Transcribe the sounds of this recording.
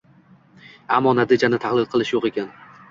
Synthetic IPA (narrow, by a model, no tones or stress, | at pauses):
amːɒnad̪ɪd͡ʒanɪt̪ʰahlˠɪd̪̚qʰɨlˠɪʃjoqe̞kʲan